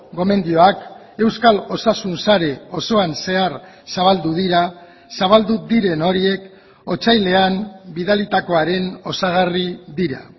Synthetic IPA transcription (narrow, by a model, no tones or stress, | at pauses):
ɡo̞me̞nd̪io̞ak | e̞wskalo̞sasunsaɾe̞o̞so̞anse̞aɾ | saβald̪uðiɾa | saβ̞ald̪ud̪iɾe̞no̞ɾie̞k | o̞t͡sajle̞ambiðalit̪ako̞aɾe̞no̞saɣ̞ariðiɾa̰